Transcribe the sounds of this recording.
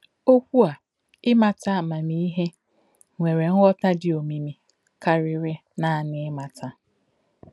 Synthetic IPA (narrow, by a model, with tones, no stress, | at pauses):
o˦kʷu˦a˨ | ɪ˦ma˨ta˦˨ma˨mi˦i˦ɦe˦ | ŋʷe˨ɾe˨ŋ̩˦wɔ˦ta˦dɪ˨o˨mi˨mi˨ | ka˨ɾɪ˨ɾɪ˦ | na˦˨nɪ˨ɪ˦ma˨tʰa˦